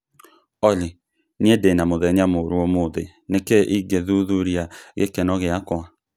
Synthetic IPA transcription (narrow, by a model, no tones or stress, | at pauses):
ɔle | niedenamoðɛɲamoɾuɔmoðe | nekɛʔiɡeðuðuɾiaɣḛkɛnɔɣeakwa